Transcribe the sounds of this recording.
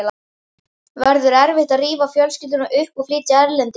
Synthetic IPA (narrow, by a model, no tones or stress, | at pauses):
la | vɛɾðʏɾɛɾvɪht̪aðriːvafjœlscɪlt̪ʏnaʔʏhpɔfliːt̪jaɛɾlɛnt̪ɪ